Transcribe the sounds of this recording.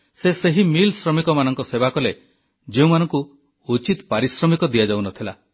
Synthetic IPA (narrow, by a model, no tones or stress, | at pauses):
seseɦimilsɾɔmikɔmanɔŋkɔsebakɔle | d͡ʒeũmanɔŋku | ut͡ʃit̪paɾisɾɔmikɔd̪iad͡ʒawnɔt̪ʰila